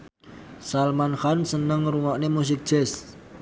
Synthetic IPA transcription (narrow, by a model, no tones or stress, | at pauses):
salmanxansənəŋɾuŋɔʔnemus̬ɪk̚d̥ʒ̥ɛs